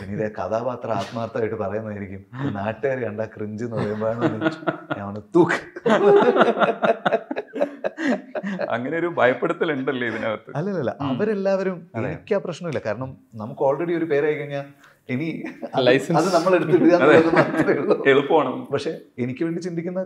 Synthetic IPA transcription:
pinːiðekɐðaːpaːt̪rɐaːt̪maːrt̪ːɐaːjiʈːɨpɐrɐjunːɐðaːjiɾikʲːuminaːʈːɨeːɾɐɳɖaːkriɲd͡ʑɨnːulɐjumbojaːɳɐnːit͡ɕːuɲaːʋɐɳɨt̪ukː | ɐ̰ŋːɐneo̞ɾubʱɐjɐpːeɽɐt̪ːileɳɖɐlːɐiʋinaːʋɐrt̪ːɨɐlːɐlːɐlːɐ̰ʔɐʋɐɾe̞lːaːʋɐɾumeikʲːaːprɐɕɳɐmilːɐkaːɾɐɳɐmnɐmukːo̞ːɭreɽio̞ɾupe̞ːɾaːjikʲːuɲːaː | eniɐlɐjsɐðɨnɐmːɐɭe̞ɽut̪ːiɽuaːnːenːɐmat̪ɐðɐɭːoːeðupːoːɐɳɐpɐkʂe̞enikʲːɨʋeːɳɖit͡ɕind̪ikʲːunːɐ

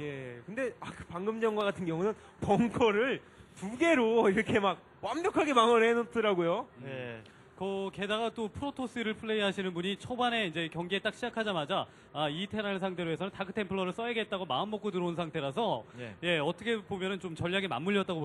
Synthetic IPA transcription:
je̞kɯnde̞akɯ̥paŋɡɯmd͡ʑʌŋɡwaɡatʰɯnɡjʌŋunɯn | pʌŋkʰʌɾɯɭ | tuɡe̞ɾoiɾʌkʰe̞mak̚ | wambjʌkʰaɡe̞maŋʌnenʌt͈ɯɾaɡojoje̞ | kʌke̞daɡat͈opʰɯɾotʰos͈ʰɯiɾɯɭpʰɯɭːe̞iɦaɕʰinɯnbuɲit͡ɕʰobane̞ind͡ʑe̞kjʌŋɡeet͈ak̚ɕʰid͡ʑakʰad͡ʑamad͡ʑaː | itʰe̞nanɯns̬ʰaŋtʰe̞ɾoɦe̞sʰʌnɯntakʰɯ̥tʰe̞mpʰɯɭːʌɾɯɭs͈ʌeɡe̞t̚t͈aɡomaɯnmʌk͈otɯɾʌunsʰaŋtʰe̞ɾas̬ʰʌje̞ʌt͈ʰʌkʰepomjʌnɯnt͡ɕomt͡ɕʌʎːaɡema̰mːuʎːʌt͈aɡo

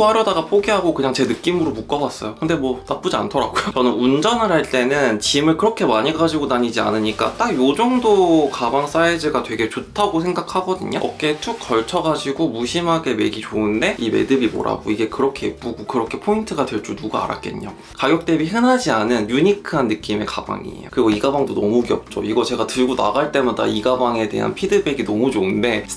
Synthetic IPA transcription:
ohaɾjʌdaɡapʰoɡiɦaɡokɯɲaŋt͡ɕe̞nɯk͈imɯɾomuk͈ʌbas͈ʌjokɯnde̞mwʌnap͈ud͡ʑia̰ntʰʌɾaɡojot͡ɕʌnɯnund͡ʑʌnɯɭɦaɭt͈e̞nɯnt͡ɕimɯɭkɯɾʌkʰe̞maɲiɡad͡ʑiɡonaɲid͡ʑia̰nɯɲik͈a̰t͈akjod͡ʑʌŋdokabaŋs͈aed͡ʑɯɡatwe̞ɡe̞t͡ɕotʰaɡosʰe̞ŋɡakʰaɡʌdɯɲo̰ʌ̰k͈e̞t͡ɕʰukk͈ʌɭt͡ɕʰʌɡad͡ʑiɡomuɕʰimɦaɡe̞me̞ɡit͡ɕoɯnde̞ime̞̰dɯbimo̰ɾa̰ɡo̰iɡe̞kɯɾʌkʰe̞ip͈uɡokɯɾʌkʰe̞pʰointʰɯɡadwe̞ɭt͡ɕ͈unuɡaa̰ɾa̰k̚k͈e̞̰ɲɲo | kaɡjok̚t͈e̞biɦɯnɦad͡ʑianɯnjuɲikʰɯanːɯk͈ime̞kaba̰ŋḭḛjokɯɾiɡʌiɡabaŋdonʌmuɡiʌp̚t͡ɕ͈o̰iɡʌt͡ɕe̞ɡatɯɭɡona̰ɡaɭt͈e̞mada̰iɡabaŋe̞de̞̰ɦa̰npʰidɯbe̞ɡinʌmud͡ʑoɯnde̞

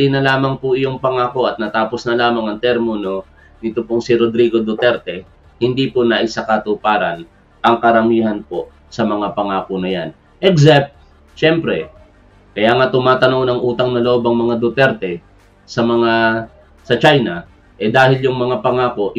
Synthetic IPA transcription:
inɐlaːmɐŋpʊʔɪjoŋpɐŋaːko̞ʔɐt̪̚nɐt̪aːposnɐlaːmɐŋɐŋt̪ɛɾmʊno̞ | nɪt̪opoŋsiɾod̪ɾiːɡo̞d̪ʊt̪ɛɾt̪ɛ | hɪnd̪iponɐʔɪsakɐt̪ʊpaːɾɐn | ʔɐŋkɐɾɐmiːhɐnpo̞ | sɐmɐŋapɐŋaːkonɐjan | ʔɛɡzap̚t̪̚ | ʃɛmpɾɛ | kɐjaːŋat̪ʊmaːt̪ɐnoŋnɐŋʔuːt̪ɐŋnɐloʔobɐŋmɐŋad̪ʊt̪ɛɾt̪ɛ | sɐmɐŋa | sɐt͡ʃajnɐ | ʔɛd̪aːhɪljʊŋmɐŋapɐŋaːko̞ʔ

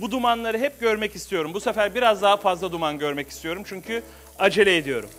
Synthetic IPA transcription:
bud̪umanlˠaɾɯɦɛp̚ɟøɾmɛcist̪ʰijo̞ɾumbusefæɾbiɾazd̪aɦafazlˠad̪umanɟøɾmɛci̥st̪ʰijo̞ɾumt͡ʃʰyɲcʰy | ad͡ʒe̞lʲeed̪ijo̞̰ɾṵm

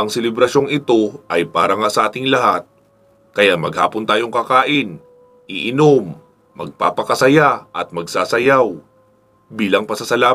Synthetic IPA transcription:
ʔɐŋsɛlɛbɾɐʃo̞ŋɪt̪o̞ʔɐjpa̰ːɾɐŋasɐʔaːt̪ɪŋlɐhat̪̚ | kɐjamɐ̰ɡha̰ːpont̪aːjo̞ŋkɐkaːʔɪn | ʔɪʔɪno̞mː | ɐ̰ɡ̚pa̰ːpɐkɐsɐjaʔɐt̪̚mɐɡsaːsɐjaw | biːlɐŋpɐsɐsɐlaː

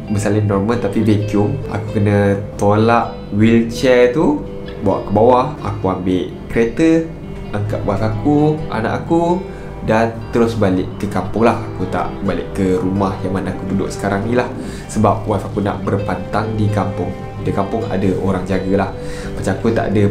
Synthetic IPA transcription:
bəsalɪnɔrməlt̪apibekʊma̰kukənət̪olaʔ | wilt͡ʃɛt̪u | bawa̰ʔkəbawaha̰kuambɪʔ | kəɾet̪ə | ʔaŋka̰ʔwafakuʔa̰na̰ʔaku | dant̪əɾʊsbalɪʔkːəkampʊŋlahakut̪a̰ʔbalɪʔkːəɾumahjaŋmanaakududʊ̰ʔsə̥kaɾaŋnilah | səbap̚wafakuna̰ʔbərpant̪aŋdikampʊŋ | dəkampʊŋa̰dəoɾaŋd͡ʒaɡəlah | mət͡ʃaakut̪a̰ʔa̰də

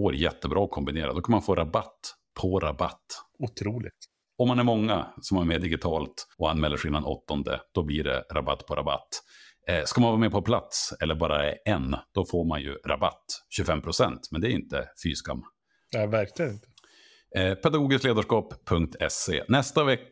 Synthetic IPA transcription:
oːɾjɛt̪ːəbɾɑːɔkʰɔmbɪneːɾa̰d̪ɔkʰanmanfoːɾʔabat̪ː | pʰɔɾaba̰t̪ːʊt̪ʰɾuːlɪ̰ɡt̪ | ɔmːanæɾmɔŋːasɔmæɾmeːd̪ɪɡɪt̪ʰɑːlt̪ɔanːmɛlːəʂiːnanʔɔ̰t̪ːɔnd̪ə̰d̪̥ɔbliɖɛ̰ɾʔa̰ba̰t̪ːpʰɔɾa̰ba̰t̪ː | skamanvɑːɾmɛːpʰɔpʰlat̪sɛlːəɾbɑːɾa̰ɛnd̪̥ɔfoːɾmanjɵ̰ɾa̰ba̰t̪ːɕɵfɛmːpʰɾʊsɛnt̪mɛnd̪ɛæɾɪnt̪əfyːska̰mː | nɛvæɾklɪɡənɪnt̪ə | pʰɛd̪aɡoːɡɪskleːd̪aʂkɑːpʰːɵŋk̚t̪ʰɛsḛːnɛst̪avɛk

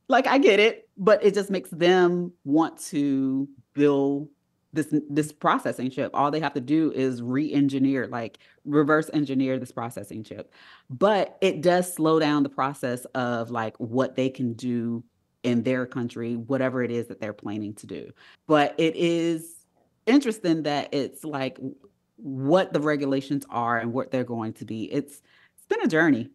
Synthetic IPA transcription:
laɪkaɪɡɛɾɪt̚b̥ʌɾɨt̚d̥ʒ̥ʌsmeɪksðɨ̃mwɑ̃ntʰɨ | b̥ɪlˠd | ðɪsðɪspʰɹ̥ɑsɛsɪ̃ŋʃɪpɔ̰lˠðeɪɦæftɨdʉʔɪzɹiʔɛ̃nd͡ʒɨnɪɹla̰ɪk | ɹɨvɜ˞sɛ̃nd͡ʒɨnɪɹðɪspʰɹ̥ɑsɛ̰sɪ̰̃ŋʃɪ̰p̚ | b̥ʌɾɪt̚d̥ʌz̥sloʊɾãʊ̃nðəpʰɹ̥ɑsɛsʌvlaɪkwʌt̪̚ðeɪkʰɨ̃n̩dʉ | ɪ̃nðə˞kʰʌ̃nt͡ʃɹ̥iwʌɾɛvə˞ɨɾɪzðɨt̪̚ðə˞pʰl̥æ̰̃ñɪ̃ŋtʰɨdʉ̰ | b̥ʌɾʔɪɾʔɪz̥ | ɪ̃nt͡ʃɹ̥ɨstɪ̃ŋðɨɾʔɪtslaɪk | wʌt̪̚ðəɹɛɡjɨleɪʃɨ̃nzə˞ɨ̃nwʌt̪̚ðə˞ɡoʊɪ̃ŋtʰɨbiʔɪts | sb̥ɨ̃ñɨd͡ʒɜ˞ni

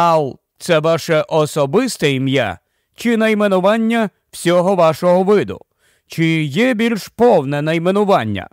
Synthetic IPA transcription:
ɑlˠt̪sɛʋɑʃɛʔɔsɔbɪst̪ɐimja̰ | t͡ʃɪnɐjmenʊʋɑnʲːɐ | w̥sʲɔɦɔʋɑʃɔɦɔʋɪd̪ʊ̰ | t͡ʃɪjɛbʲilʲʃpɔwnɛnɐjmenʊʋɑnʲːɐ̰

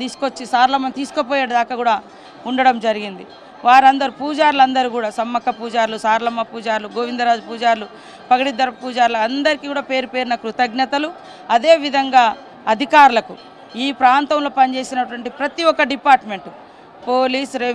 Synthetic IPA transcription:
t̪iːsu̥kot͡ʃːisaːɾlɐmːɐnt̪iːsu̥kopoːjaːɽɐd̪aːkɐkuːɽaː | uɳɖɐɽɐmd͡ʒɐɾiɡind̪i | ʋaːɾɐnd̪ɐɾupuːd͡ʒaːɾulɐnd̪ɐɾukuːɽaːsɐmːɐkːɐpuːd͡ʒaːɾlusaːɾlɐmːɐpuːd͡ʒaːɾluɡoːʋind̪ɐɾaːd͡ʒupuːd͡ʒaːɾlu | pɐɡɐɽid̪ːɐɾɐpuːd͡ʒaːɾlɐɐnd̪ɐɾikiːkuːɽaːpe̞ːɾupe̞ːɾinɐkɾut̪ɐɡnɐt̪ɐlu | ɐd̪e̞ːʋid̪ʱɐŋɡaː | ɐd̪ʱikaːɾulɐku | iːpɾaːnt̪ɐmlo̞ːpɐnt͡ʃe̞ːsinɐʈuʋɐɳʈipɾɐt̪iɔkːɐɖipaːɾʈme̞ɳʈu | poːliːsɾe

